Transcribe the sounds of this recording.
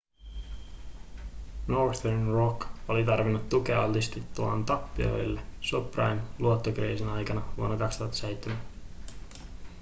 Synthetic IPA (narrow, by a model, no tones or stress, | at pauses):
norθernrokolit̪ɑrʋinːut̪ːuke̞ɑlːist̪it̪ːuɑnt̪ɑpːio̞̰jlːesoprɑ̰jmluot̪ːokrḭːsinɑjkɑnɑʋuonːɑkɑkst̪uhɑt̪ːɑ̥sejt̪ːemæn